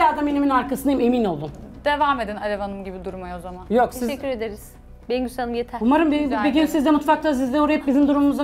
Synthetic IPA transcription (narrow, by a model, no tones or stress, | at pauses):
aːd̪ameniminaɾkasɯnd̪ajime̞mino̞lˠd̪und̪̥e̞vame̞d̪inalʲevanɯmɟibid̪uɾmajozamanjoksizyɾed̪eɾiz̥ | beɡysanɯmjet̪ʰæumaɾɯmbebeɡʲinsizd̪ɛmut̪fak̪̚ˠas̬izd̪ɛoɾajɯp̚bizimd̪uɾumumuza